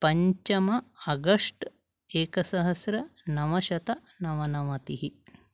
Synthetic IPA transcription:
pɐɲt͡ʃɐmɐɐɡɐʂʈ | eːkɐsɐɦɐsɾɐnɐʋɐʃɐt̪ɐ | nɐʋɐnɐʋɐt̪iɦi

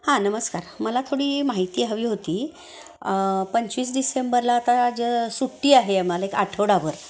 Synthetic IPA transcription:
hãnəməskaɾməlat̪ʰoɽiːmaɦit̪iːɦəʋiːɦot̪iː | pəɲt͡ɕʋiːs̬ɖisembəɾlaːt̪ad͡ʑəsuʈːiːaɦeamalaeka̰ʈʰəʋɽaʋəɾ

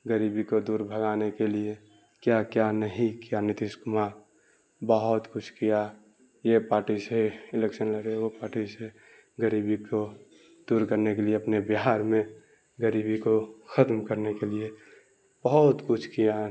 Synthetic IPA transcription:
ɡəɾibikod̪uːɾbʱəɡaːnekelie | kjakjanəɦĩkijanɪt̪ɪskma | bəɦʊt̪kʊt͡ʃʰkija | jepaːɾʈiseɪlekʃənləɾeopaːɾʈise | ɡəɾibiko | d̪uːɾkəɾnekelieɐpnebɪɦaɾmẽ | ɡəɾiːbikoxʰət̪mkəɾnekelie | b̥əɦʊt̪kʊt͡ʃʰkija

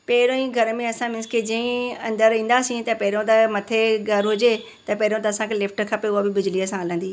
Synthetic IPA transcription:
pɛːɾõĩɡʱɐɾmẽɐsãmɪ̃nsked͡ʑĩĩɐ̃nd̪əɾĩːn̆d̪asĩt̪ɐpɛɦɪɾõt̪ɐmɐt̪ʰeɡʱɐɾɦʊd͡ʑe | t̪ɐpɛɦɪɾõt̪̬ɐːsãkʰelɪfʰʈ̆kʰapeʊɦabɪbɪd͡ʑliɐsãɐlə̃nd̪iː

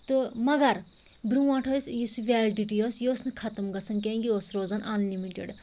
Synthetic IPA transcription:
t̪ɨmɐɡɐɾ | bɾuãːʈʰɐsjisuʋʲɛːlɖiʈijosjoːsnɨkʰɐt̪ɐmɡɐsʰɐnkẽːŋɡioːsɾoːzɐnʔɐnlimiʈḛɖ

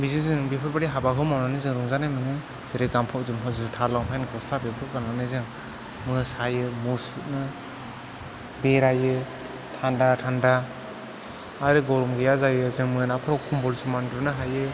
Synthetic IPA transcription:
bizizɯŋbepʰɯɾbaɾiɦabaɦʰɯwmawnanizɯŋɾuŋzanajmɯnɯ | z̥eɾeɡampʰawzɯmɯzutʰaɾlawŋpʰajnɡɔslabepʰɯp̚kananɯzɯŋ | mɯsajɯmuɾsut̚nɯ | beɾajɯ | tʰandatʰanda | aɾɯɡɔɾumɡɯjazajɯzɯŋmɯnapʰɯɾɔwkʰɔmbɔlsumandunɯɦajɯ

